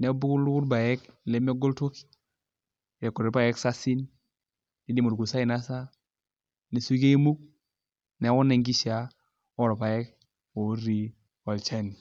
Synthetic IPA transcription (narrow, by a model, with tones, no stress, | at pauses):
nɛ˨˦bu˦ku˦lu˦ku˦ɾba˨jɛ˦k̚le˨˦me˦ɡo˦lto˦ki̥˦ | ɾɛ˨kɔ˨ɾe˨˦pa˦˨jɛ˦ksa˦si˦n | ni˨di˦˨mo˨ɾɡu˨sa˦i˨na˦sa˦ | ne˨su˦ke˦mu˦k̚ | nɛ˨˦wu˦ne˨ŋɡi˦ʃa˦ | ɔ˦ɾpa˨jɛ˦k̚ | wo˨˦ɾi˦ | wɔ˨lt͡ʃɛ˦n